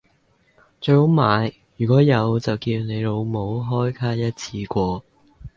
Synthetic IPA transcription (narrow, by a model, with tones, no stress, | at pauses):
t͡ʃɵ˧ɥho˨˥wmaː˨˧j | jyː˨˩kʷɔː˨˥jɐ˨˧wt͡sɐ˨wkiː˧wne˨˧jlo˨˧wmo˨˧wɦɔː˥jkʰaː˥jɐ˥t̚t͡sʰiː˧kʷɔː˧